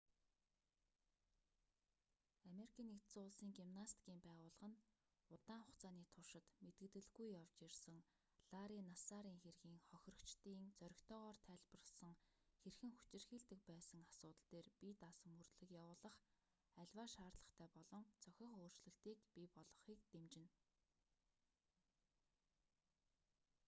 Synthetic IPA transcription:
ameɾikʰiːnːekt̪sʊɮsiːŋɡimnast̪ɡiːmpæːʁʊːɮə̆ʁə̆n | ʊt̪aːɴχʊχt͡sʰaːniːt̪ʰʊʃɪ̆t̪met̪ɡɘ̆t̪ɘ̆ɮɣujːawt͡ɕirsə̆ŋ | ɮ̥aɾiːnasaɾiːŋxerɣiːŋχɔx̆ʲrɞ̆kt͡ɕt̪iːŋt͡sœɾʲɪ̆kt̪ʰœːʁɔːrt̪ʰæːɮpə̆rə̆sə̆ŋxerxɘ̆ŋxu̥t͡ɕɪ̆rxiːɮt̪ɘ̆k̚pæːsə̆ŋasʊːt̪ə̆ɬt̪eːrpit̪asɵ̆murt̪ɮɘ̆kjawʊːɮə̆χ | æɮʲwaːʃaːrtɮə̆χt̪ʰæːpɔɮɞ̆ŋt͡sœxʲɪ̆χoːr̥t͡ɕɮɘ̆ɬt̪iːkpipɔɮɞ̆χiːk̚t̪emt͡ɕɪ̆n

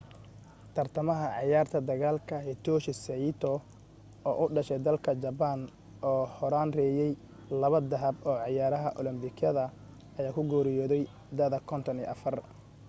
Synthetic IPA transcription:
t̪ʰɐrt̪ʰɐmɐɦɐʕɑjaːrt̪ʰɐd̪ɐɣaːlkʰɐhɛt̪ʰɔːʃɪsɐɪt̪ʰɔ | ɔːʔʊɖɐʃɛjd̪ɐlkʰɐd͡ʒɐbɐn | ɔːhɔɾaːnrɛːjɛj | lɐβɐd̪ɐɦɐbɔːʕɑjaːɾɐɦɐʔɔlɪmbɪkʰɐðɐ | ɐjaːkʰʊɡɔːɾɪjɔːðɛj | d̪ɐðɐkʰɔnt̪ʰɔnḭːʔɐfɐr

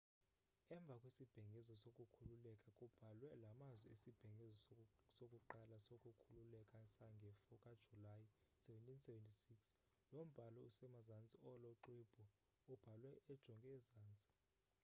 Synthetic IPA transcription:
ɛɱbvʱakʼwisib̥ʱɛŋɡʱɛzɔsokʼukʰululɛkʼakʼub̥ʱalwɛlamazwiesib̥ʱɛŋɡʱɛzɔsokʼuǃalasokʼukʰululɛkʼasaŋɡʱɛfɔkʼad̥ʒ̥ʱulajisɛvɛntʼinsɛvɛntʼisiks | nom̩b̥ʱalɔusɛmazant͡sʼiɔlɔǃib̥ʱɔ | ub̥ʱalwɛʔːd̥ʒ̥ʱɔŋkʼɛːzaːnt͡sʼi̥

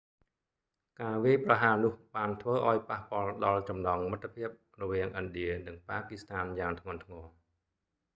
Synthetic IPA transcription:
kaːʋiəjprɑɦaːnʊ̆əhɓaːnt̪ʰʋəːʔaɔjpahpŏəlɗɑlt͡ɕɑmnɑːŋmət̪ʰːpʰiəp̚ | rɔʋiəŋʔənɗiənɨŋpaːkist̪ʰaːnjaːŋt̪ʰŋʊ̆ənt̪ʰŋɔː

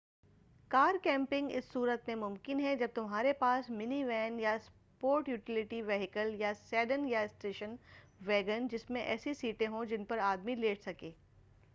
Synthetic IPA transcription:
kaːɾkɛ̃ːmpɪ̃ŋɡɪ̰sːuːɾət̪mẽmʊ̃mkɪnɦɛd͡ʒɐb̚t̪ʊmɦaːɾepaːsmɪniʋɛːnjas | poːɾʈjuːʈɪlɪʈiʋeːɦɪkəljasɛːɖənjaɪsʈeːʃən | ʋɛːɡənd͡ʒɪsmẽʔɛ̰ːsisiːʈẽɦõd͡ʒɪnpɐɾaːd̪mileːʈsɐkeː

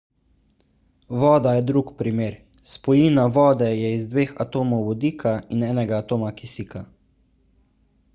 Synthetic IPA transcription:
ʋɔːd̪ajɛd̪ɾukpɾimeːɾ | spɔjiːnaʋɔːd̪ɛjɛizd̪ʋeːxat̪oːmɔwʋɔd̪iːkʰainɛːnɛɡaːt̪oːmakisiːka

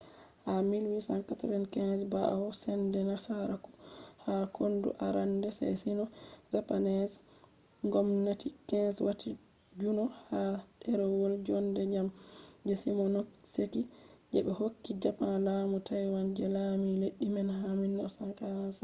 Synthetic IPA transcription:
hamilwisaŋkatɾɛnkɛnsba̰wɔsɛndɛnasaɾaku̥hakʰondṵʔaɾandɛsɛ̰sinɔzapanɛs | ŋɡɔmnatikɛnswati | d͡ʒunɔhaɗɛɾɔwɔld͡ʒɔndɛd͡ʒamd͡ʒɛsimɔnoksekid͡ʒɛɓɛhokːid͡ʒapanlaːmutajwand͡ʒɛlamileɗːimɛnhaminːɔsaŋkans

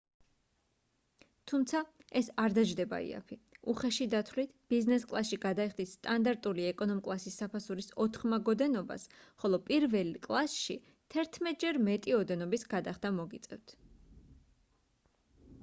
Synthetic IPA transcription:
t̪ʰumt̪sʰaɛsaɾd̪aʒd̪ɛba̰ḭa̰pʰiuχɛʃid̪at̪ʰwlit̪ʰb̥iznɛskʼlˠasʃiɡad̪aiχd̪isːt̪ʼand̪aɾt̪ʼuliɛkʼɔnɔmkʼlˠasisːapʰasuɾisɔt̪ʰχmaɡɔd̪ɛnɔba̰sχɔlˠɔpʼiɾvɛlkʼlˠasʃi | t̪ʰɛɾt̪ʰmɛt̪̚ʰʼd͡ʒɛɾmɛt̪ʼiɔd̪ɛnɔbisɡad̪aχd̪amɔɡit̪sʼɛ̰vt̪ʰ

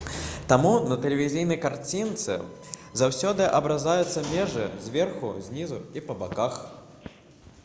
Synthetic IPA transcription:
t̪amunɐt̪ɛlʲɛvʲizʲijnɐjkart͡sʲint̪sɨ̰ | zawsʲɔd̪ɨʔɐbɾazajʊt̪sːɐmʲɛʐɨzʲvʲɛrxuzʲnʲizuipɐbakax

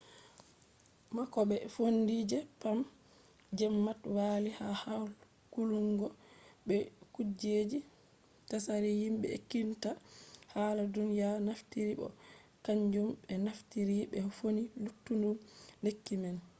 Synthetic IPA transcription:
makɔɓɛfondid͡ʒɛpam | d͡ʒɛmːatwalihahawl | kuluŋɡɔɓɛkud͡ʒed͡ʒi | tasaɾihimɓɛ̰kintahaladunijanaftiɾiɓɔ̰kaɲd͡ʒumɓɛnaftiɾiɓɛfonilutːundumlekːimɛn

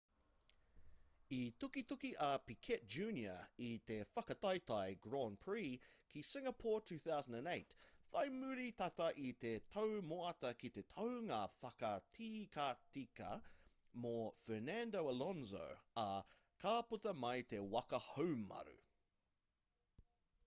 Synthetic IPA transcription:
itukitukiʔɐpikʰɛt̚d͡ʒʉːnjə̰it̪efɐkɐtɐjtɐjɡɹɔnpʰɹikʰisɪŋɐpʰɔːɹtʰʉːθawzə̃ndæ̃neɪtfɐjmʉɾit̪ɐtɐʔit̪etʰowmoɐtɐkit̪e̞tʰɐwŋaːfɐkɐtʰiːkʰatikɐ̰mofɛnændoʊɐlɔnzo̰ɐ | kʰaːpotɐmɐjt̪e̞wɐkɐhowmɐ̰ɾʉ̰

